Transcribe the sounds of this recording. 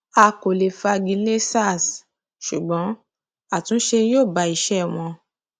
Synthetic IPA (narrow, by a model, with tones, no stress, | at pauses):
a˧ko˨le˨fa˧ɡĩ˧le˦sa˦˨s | ʃu˨ɡ͡bɔ̃˨˦ | a˦˨tũ˨˦ʃe˧joː˦˨ba˨˧˦i˦˨ʃɛ˦˨w̃ɔ̃˧